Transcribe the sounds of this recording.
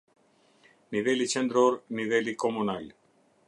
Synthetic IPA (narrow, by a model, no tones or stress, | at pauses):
niβelit͡ʃend̪ɾoɾniβelikomunal